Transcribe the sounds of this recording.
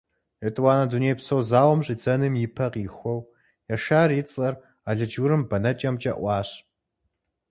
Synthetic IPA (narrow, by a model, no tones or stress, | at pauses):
ətʰʼwaːnɐdunejpsɐwzaːwɐmɕʼid͡zɐnɨmjɪpʰɐqixʷɔw | jaʃaːrjit͡sʼɐr | aːɮɨd͡ʒuɾɨmbɐnɐt͡ʃʼɐmt͡ʃʼɐʔʷɑːɕ